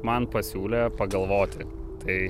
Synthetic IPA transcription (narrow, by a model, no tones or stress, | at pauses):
mɐnpɐsʲuːlʲɛpɐɡɐlˠʋoːt̪ʲɪt̪ɐɪ